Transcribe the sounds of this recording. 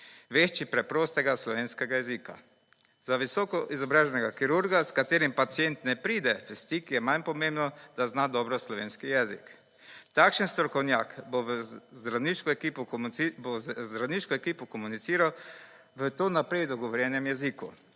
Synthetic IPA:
ʋeʃt͡ʃipɾɛpɾoːst̪ɛɡaslɔʋeːnskɛɡajɛzika̰ | zaʋisɔːkɔʔizɔbɾaːʒɛnɛɡakiɾuɾɡaskat̪eːɾimpat̪sijɛnt̪nɛpɾiːd̪ɛfɛst̪ikjɛmanpɔmembnɔd̪̥aznad̪ɔbɾɔslɔʋeːnskijɛːzḭk | t̪akʃənst̪ɾɔkɔwnja̰ːkbozɾaniʃkɔkipɔbozzɾaniʃkɔɛkiːpɔkɔmunit̪siːɾaw | ʋət̪oːnapɾɛjd̪ɔɡɔʋɔɾjɛnɛmjɛzikṵ

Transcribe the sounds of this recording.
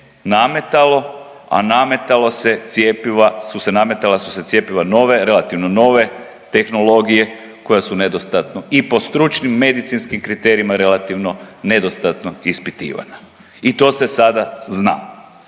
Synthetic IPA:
name̞t̪alo̞ | a̰name̞t̪alose̞t̪sjepiʋasuse̞name̞t̪alasu̥se̞t̪sʲjepiʋano̞ʋe̞ɾe̞lat̪iʋno̞no̞ʋe̞ | t̪e̞xno̞lˠo̞ɡije̞ | ko̞jasune̞d̪ost̪at̪noipo̞st̪ɾut͡ʃnimːe̞d̪it̪sinskimkɾit̪e̞ɾijimaɾe̞lat̪iʋno̞ne̞d̪ost̪at̪noispit̪ḭːʋa̰na | it̪o̞ːse̞sad̪azna̰ː

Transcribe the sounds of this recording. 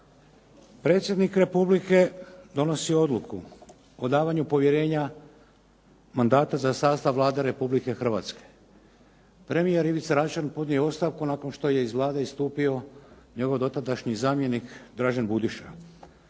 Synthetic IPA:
pɾe̞ːt̪sʲjed̪nikɾe̞publike̞d̪o̞no̞sio̞d̪lˠukʰu | o̞d̪aːʋaɲupo̞ʋje̞ɾe̞ːɲa | mand̪aːt̪azasaːst̪aʋʋlˠaːd̪e̞ɾe̞publike̞xr̩ʋa̰ːt̪ske̥ | pɾe̞mijeɾiʋit̪saɾat͡ʃanpod̪nioo̞st̪aʋkunaːko̞nʃt̪o̞je̞izʋlˠaːd̪eist̪uːpio̞ɲe̞ɡo̞ʋd̪o̞t̪ad̪aʃɲizaːmje̞nikd̪ɾaːʒenbud̪iʃa̰

